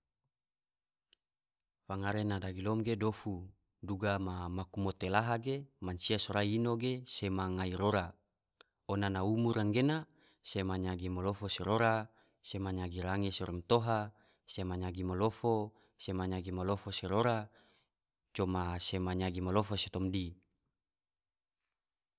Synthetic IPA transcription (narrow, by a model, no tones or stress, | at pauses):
faŋaɾenadaɡilomɡedofu | duɡamamakumot̪elaɦaɡemansiasoɾaiinoɡesemaŋaiɾoɾa | onanaumuɾaŋɡena | semaɲaɡimolofoseɾoɾa | semaɲaɡiɾaŋeseɾɔmt̪oɦa | semaɲaɡimolofo | semaɲaɡimalofoseɾoɾa | t͡ʃomasemaɲaɡimalofose̥t̪ɔmdi